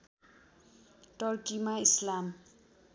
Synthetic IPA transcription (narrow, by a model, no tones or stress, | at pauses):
ʈʌrkimaislam